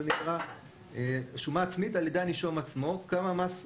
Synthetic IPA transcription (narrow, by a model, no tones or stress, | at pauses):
enikʁa | eʃumaːt͡smitaljed̪aniʃomat͡smo̞kamamas